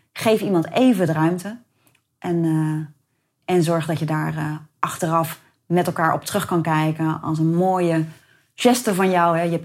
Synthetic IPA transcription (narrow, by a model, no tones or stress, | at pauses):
χejfimɑntejvədərœɥmtə | ʔɛn | ʔɛnzɔɹχdɑtjədaːrʔɑχtərɑf | mɛtɛlˠkaːɹʔɔ̰p̚trɵχkɑnkɛjkənɑ̰lˠs̬ənmoːjə | ʒ̥ɛstəvɑnjɔwɦɛjəɛp